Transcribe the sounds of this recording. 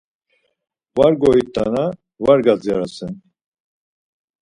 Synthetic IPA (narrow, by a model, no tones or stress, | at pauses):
vaɾɡɔit̪ʼːana | vaɾɡad͡zjaɾasɛn